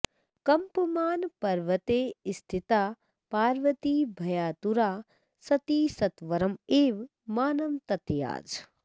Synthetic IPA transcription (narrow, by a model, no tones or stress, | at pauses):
kɐmpəmaːnpɐɾʋɐt̪eːist̪ʰit̪aː | paːɾʋɐt̪ibʱɐjaːt̪uɾaː | sɐt̪iːsɐt̪ʋɐɾɐmeːʋ | maːnɐmt̪ɐt̪ja̰ːd͡ʒ